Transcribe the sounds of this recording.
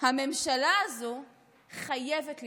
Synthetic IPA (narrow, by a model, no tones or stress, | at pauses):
hame̞mʃalaːzo | χajevetl